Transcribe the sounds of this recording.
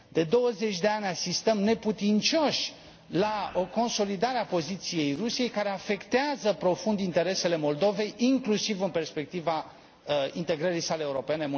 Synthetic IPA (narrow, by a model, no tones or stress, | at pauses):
d̪e̞d̪o̞wəze̞t͡ʃʲd̪e̞anʲasist̪əmne̞put̪int͡ʃo̞ʃʲ | lao̞ko̞nso̞lid̪aɾeapo̞zit̪sije̞jrusije̞jkaɾe̞afe̞kt̪eazəpɾo̞fund̪int̪e̞ɾe̞se̞le̞mo̞ld̪o̞ve̞jiŋklusivɨnpe̞rspe̞k̚t̪iva | int̪e̞ɡɾəɾijsaleːuɾo̞pe̞ne̞m